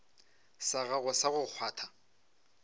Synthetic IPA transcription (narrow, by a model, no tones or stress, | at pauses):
saɣaɣʊsaɣʊk͡xʰwaːtʰa